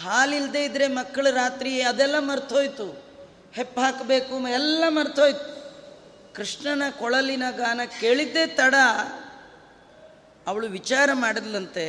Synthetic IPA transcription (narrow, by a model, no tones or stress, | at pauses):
ɦaːlild̪e̞ːid̪ɾe̞mɐkːɐɭuɾaːt̪ɾieɐd̪ɛlːɐmɐɾt̪ɦoːjt̪u | hepːɦaːkbe̞ːkumɐɛlːɐmɐɾt̪ʰɦoːjt̪u̥ | kɾiʂɳɐnɐkɔɭɐlːinaːɡaːnɐke̞ːɭid̪ːe̞ːt̪ɐɽɐ | ɐʋɐɭuʋit͡ʃaːɾɐmaːɽid̪lɐnt̪e̞